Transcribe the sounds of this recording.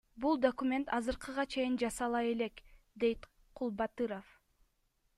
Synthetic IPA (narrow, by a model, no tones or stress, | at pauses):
bulˠd̪okumʲe̞nt̪ɑzɯɾqɯʁɑt͡ʃʰe̞jind͡ʒɑsɑlˠɑje̞le̞k | d̪e̞jt̪ | qʰulˠbɑt̪ɯɾof